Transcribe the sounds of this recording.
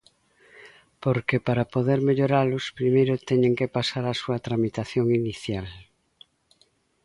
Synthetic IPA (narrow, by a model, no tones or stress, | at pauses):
poɾkepaɾapoðeɾmeʎoɾalʊspɾimejɾʊt̪ɛɲẽŋkepasaɾasuɐt̪ɾamit̪aθjoŋiniθjal